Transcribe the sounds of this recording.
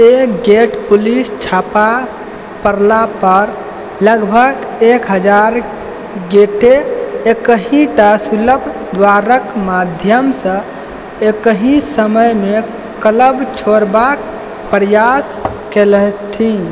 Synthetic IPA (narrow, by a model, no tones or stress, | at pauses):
eɡeʈpulist͡ʃʰapa | pəɾlapəɾ | ləɡbʱəɡ | ekɦəd͡ʒaɾ | ɡeʈeekəɦĩʈasuləbʱ | d̪waɾəkmad̪ʱjəmsə̃ | ekəɦĩsəməjme | kələbt͡ʃʰoɾbak | pəɾjas | kelət̪ʰĩ